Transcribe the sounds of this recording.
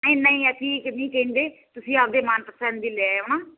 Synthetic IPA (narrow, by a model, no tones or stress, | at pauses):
nəĩːnə̃ĩːɛʈʰiːknĩːkẽːnd̪eːt̪ʊsĩːap̚d̪eːmaːnpəsɛnd̪iːleoːnaː